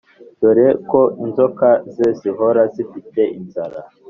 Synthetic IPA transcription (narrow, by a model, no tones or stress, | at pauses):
d̥oɾekoinzokazeziɦoɾazifite̞ʔinzaɾa